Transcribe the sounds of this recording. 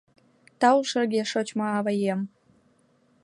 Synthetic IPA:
t̪ɑwʃərɣeʃot͡ɕmɑɑβɑjem

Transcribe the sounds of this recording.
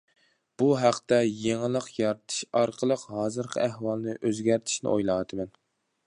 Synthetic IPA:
b̥uɦæqt̪ɛjeŋɨlˠːəqjɑɾt̪ʰɨ̥ʃɑɾqʰəlˠəqhɑːzɨɾqʰə̰æhwɑlˠnɨʔøzɡʲæɾt̪ʰɪ̥ʃnɪ̰ʔojlˠɑːt̪ʰɨmɛn

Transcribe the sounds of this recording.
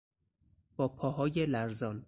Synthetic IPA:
b̥ɒːpʰɒːɦɒːjelæɾzɒːn

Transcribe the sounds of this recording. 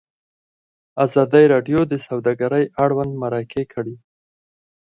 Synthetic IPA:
azɑd̪əjɾɑɖjod̪əsawd̪aɡaɾəjʔaɽwand̪maɾɑkʰekʰəɽi

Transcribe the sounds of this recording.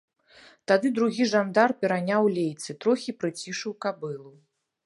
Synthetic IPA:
t̪ad̪ɨd̪ɾuɣʲiʐand̪arpʲɛɾanʲawlʲejt̪sɨt̪ɾɔxʲipɾɨt͡sʲiʂɨwkabɨlˠu

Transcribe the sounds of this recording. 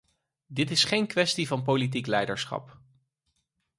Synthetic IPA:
dɪtɪsχejnkʋɛstivɑnpolit̬iklɛjdəɹsχɑ̰p

